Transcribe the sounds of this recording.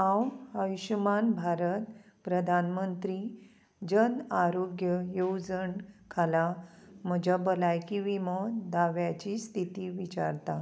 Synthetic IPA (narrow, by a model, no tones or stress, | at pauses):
ãwəjɕumanbʱaɾət̪ | pɾəd̪ʱanmənt̪ɾi | d͡ʑənaɾoɡjəjowd͡zəɳkʰalaməd͡ʑabəlajkiʋimɔd̪aʋjat͡ɕist̪ʰit̪iːʋit͡ɕa̰ɾt̪a